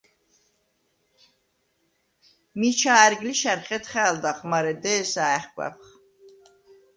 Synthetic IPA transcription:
mit͡ʃʰaːɾɡliʃæɾχɛt̪χɛːld̪aχmaɾɛd̪ɛːsaɛχkʷʼɛ̰pχ

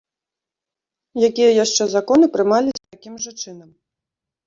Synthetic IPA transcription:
jakʲijɐjaʂt͡ʂɛzakɔn̪ɨpɾɨmalʲisʲt̪akʲimʐɐt͡ʂɨnɐm

